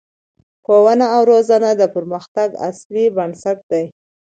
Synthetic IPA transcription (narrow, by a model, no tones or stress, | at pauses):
xowanaːwɾozanad̪əpəɾməxt̪aɡa̰slibansak̚d̪aj